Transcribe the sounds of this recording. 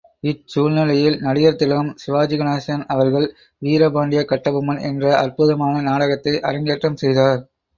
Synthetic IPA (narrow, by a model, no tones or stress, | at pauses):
ɪt͡ʃuːlnɪlɐjɪlnɐɽɪjɐɾt̪ːɪlɐɐmsɪʋaːd͡ʒɪɣɐnaːsɐnɐʋɐɾɣɐɭ | ʋiːɾɐbaːɳɖɪjɐkɐʈːɐbɯmɐnʔɛ̰ndrɐɐrpʊðɐmaːnɐnaːɽɐɣɐt̪ːɐɪʔɐɾɐŋɡeːʈrɐmsɛjðaːɾ